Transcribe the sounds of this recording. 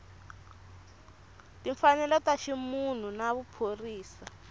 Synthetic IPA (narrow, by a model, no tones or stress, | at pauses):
tiɱfanɛlɔtaʃimun̤unaβupʰoriːsa